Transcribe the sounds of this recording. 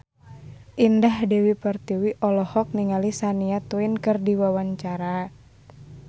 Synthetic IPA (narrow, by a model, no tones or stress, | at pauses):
ʔindahdɛwipərt̪iwiʔɔlɔhɔk̚niŋalisaniat̪uɪnkɨrdiwawaɲt͡ʃaɾa